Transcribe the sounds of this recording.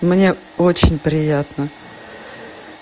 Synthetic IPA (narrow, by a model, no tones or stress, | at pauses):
mnʲe̞ | ot͡ɕɪnʲpɾʲɪjat̪nə